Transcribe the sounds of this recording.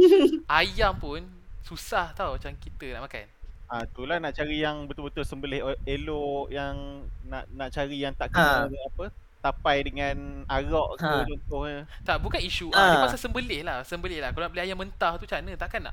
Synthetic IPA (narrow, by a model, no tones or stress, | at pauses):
ʔajampʊn | susaht̪awmat͡ʃamkit̪ənaʔmaka̰nat̪ulahnãʔt͡ʃaɾijaŋbət̪ʊlbət̪ʊlsəmbəlɪheloʔjaŋna̰ʔnaʔt͡ʃaɾijaŋt̪aʔkanapə | t̪apajdəŋãnaɾɔʔkət͡ʃɔnt̪ʊhɲət̪aʔbukaniʃuapasasəmbəlɪhlahsəmbəlɪhlahkalonaʔbəlɪajamənt̪aht̪ut͡ʃanət̪aʔkanːa̰ʔ